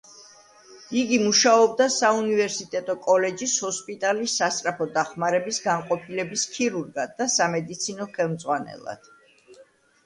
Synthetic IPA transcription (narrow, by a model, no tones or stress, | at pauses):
iɡimuʃaɔb̚d̪asaunivɛɾsit̪ʼɛt̪ʼɔkʼɔlɛd͡ʒishɔspʼit̪ʼalisːast̪ʼɾapʰɔd̪aχmaɾɛbisɡaŋqʼɔpʰilɛbiskʰiɾuɾɡad̪ːasamɛd̪it̪sʰinɔχɛlˠmd̪zʼʁwanɛ̰lˠa̰d̪̥